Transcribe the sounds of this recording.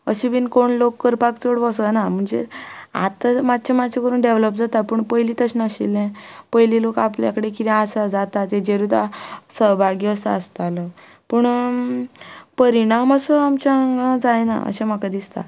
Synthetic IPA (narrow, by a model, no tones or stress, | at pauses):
əɕiʋiːnkoɳlokːəɾpakt͡soɽʋəsənam̤əɳd͡zḛa̰t̪əmad̪̚t͡ɕʰamat͡ɕʰekəɾuːɳɖeʋləpd͡zat̪apəːɳpəjliːt̪əɕnaɕḭlɛ̃pəjlilokapljakəɽek̬it̪iasad͡zat̪at̪ẽd͡ʑeɾut̪a̰səɦbʱaɡiəsaəst̪alə | pəɳ | pəɾiɽ̃aməsəamt͡ɕaaŋɡãd͡zajna̰ə̰ɕem̤əkad̪ist̪a̰